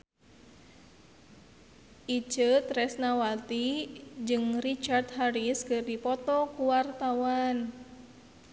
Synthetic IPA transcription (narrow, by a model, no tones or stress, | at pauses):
ʔid͡ʒət̪ɾɛsnawalt̪id͡ʒɨŋrit͡ʃart̪ɦaɾiskɨrdipɔt̪ɔkuwart̪awan